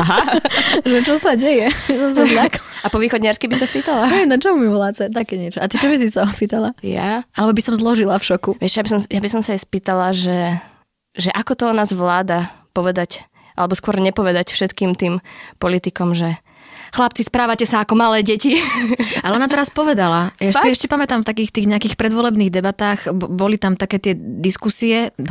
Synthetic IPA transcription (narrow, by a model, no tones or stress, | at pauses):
aɦaʒɛt͡ʃɔsaɟɛjɛsɔms̬azɲakɔlapɔʋiːxɔdɲaɾskibisaspiːt̪alaɛɛmnat͡ʃɛmumiʋlaːt͡sɛt̪akɛɲɛt͡ʃɔat̪it͡ʃɔbis̬isaɔpiːt̪alaja̰ʔalɛbɔbisɔmzlɔʒilafʃɔkuɛʃjabisɔmjabisɔmsaɛspiːt̪alaʒɛ | ʒɛʔakɔt̪ɔnaːzʋlaːd̪apɔʋɛd̪ac | ʔalɛbɔskʊɔɾɲɛpɔʋɛd̪acfʃɛt̪kiːmt̪iːmpɔlit̪ikɔmʒɛ | xlap̚t͡sispɾaːʋacɛsaakɔmalɛːɟɛcialɛɔnat̪ɛɾaspɔʋɛd̪alajasiɛʃcɛpamɛt̪amft̪akiːxt̪iːɣɲɛakiːxpɾɛd̪ʋɔlɛbniːɣd̪ɛbat̪aːɣbɔlit̪amt̪akɛːt̪ɪɛd̪iskusiɛ